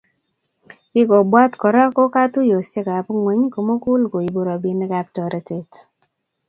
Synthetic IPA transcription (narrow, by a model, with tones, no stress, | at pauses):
kɪ˦kɔ˨bwa˦tkɔ˨ɾa˦kɔ˦ka˦tʊ˦jo˨sje˦ka˨pŋwɛ˨ɲ˦ko˨mo˦kʊ˦lko˨i˨bo˨ɾa˨bi˨ne˦ka˨˦p̚tɔ˨ɾʔe˦te˨t